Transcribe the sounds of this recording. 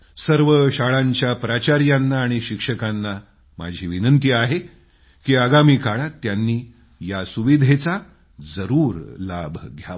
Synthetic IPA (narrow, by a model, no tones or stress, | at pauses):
səɾʋəɕaɭaɲt͡ɕjapɾat͡ɕaɾjanːaːɽ̃iɕikʂəkanːa | ma̰d͡ʑʱiːʋinənt̪iːaɦe | kiːaɡamiːkaɭat̪ːjanːiː | jasuʋid̪ʱet͡sa | d͡zəɾuːɾlabʱɡʱja̰